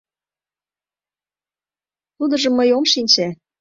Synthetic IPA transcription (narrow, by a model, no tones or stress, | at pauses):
t̪ud̪ɤ̆ʒɤ̆mːəjomʃinʲt͡ɕæ